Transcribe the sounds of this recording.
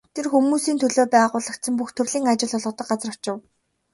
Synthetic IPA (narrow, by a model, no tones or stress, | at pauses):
t̪ʰerxumuːsiːnt̪ʰɵɮoːpæːʁʊːɮə̆kt̪sə̆mpuxt̪ʰɵrɮiːŋat͡ɕɪ̆ɮʊɮʁ̆t̪ə̆k̚ɢat͡srə̥̆t͡ɕɪ̆w